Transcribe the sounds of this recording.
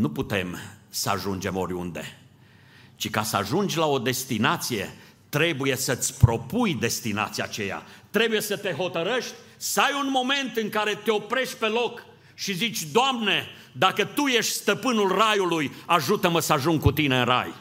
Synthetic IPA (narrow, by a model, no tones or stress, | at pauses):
nuput̪e̞msəa̰ʒund͡ʒe̞mo̞̰ɾʲṵnd̪e̞ | t͡ʃika̰səa̰ʒund͡ʒʲlao̞d̪e̞st̪inat̪sije̞̰ | t̪ɾe̞buje̞sət̪sʲpɾo̞pujd̪e̞st̪ina̰t̪sijat͡ʃe̞ja̰t̪ɾe̞buje̞sət̪e̞ɦo̞t̪əɾəʃt̪ʲ | səajunmo̞me̞nt̪ɨŋkaɾe̞t̪eo̞pɾe̞ʃt̪̚ʲpe̞lo̞k | ʃizit͡ʃʲd̪oamne̞ | d̪akət̪uje̞ʃt̪ʲst̪əpɨnulrajulujaʒut̪əməsəaʒuŋɡkut̪ineɨnra̰j